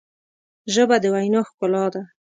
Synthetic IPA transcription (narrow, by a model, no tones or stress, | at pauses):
ʒəbad̪əwajnɑxkʊlɑd̪a